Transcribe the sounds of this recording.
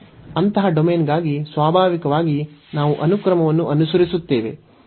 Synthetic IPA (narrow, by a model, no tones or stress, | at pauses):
ɐnt̪ɐɦɐɖomeːnɡaːɡisʋaːbʱaːʋikɐʋaːɡinaːʋuʔɐnukɾɐmɐʋɐnːuʔɐnusɐɾisut̪ːe̞ːʋe